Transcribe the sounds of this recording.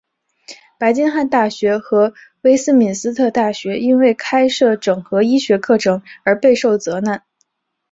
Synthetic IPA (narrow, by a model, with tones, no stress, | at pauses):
pa˧˥ɪt͡ɕi˥nxa˥˧nt̪a˥˩ɕɥɛ˧˥xɤ˧˥ | we˥ɪsɹ̩˥mi˨˩nsɹ̩˥t̪ʰɤ˥˧t̪a˥˩ɕɥɛ˧˥i˥nwe˥˩ɪkʰa˥ɪʂɤ˥˩ʈ͡ʂɤ˨˩ŋxɤ˧˥i˥ɕɥɛ˧˥kʰɤ˥˩ʈ͡ʂʰɤ˧˥ŋə˞˧˥pe˥˧ɪʂo˥˩ʊt͡sɤ˧˥na˥˩n